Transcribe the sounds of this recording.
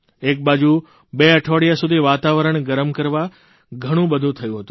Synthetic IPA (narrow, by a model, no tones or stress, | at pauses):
ek̚bad͡ʒu | beəʈʰoɽjasud̪ʱiʋat̪aʋəɾəɳɡəɾəmkəɾʋa | ɡʱəɽ̃ũbəd̪ʱũt̪ʰəjũɦət̪ũ